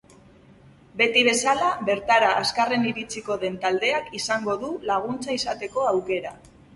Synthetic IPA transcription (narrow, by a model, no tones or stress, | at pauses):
be̞t̪iβ̞e̞salaβe̞ɾt̪aɾaːskare̞niɾit͡siko̞ðe̞nt̪ald̪e̞akisaŋɡo̞ðulaɣ̞unt͡saisat̪e̞ko̞awke̞ɾa